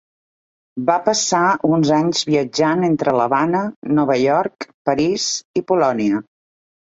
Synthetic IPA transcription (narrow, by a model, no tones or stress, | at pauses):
bapəsaunzaɲzβiəd͡ʒanent̪ɾələβanənɔβəʎɔɾkpəɾizipulɔniə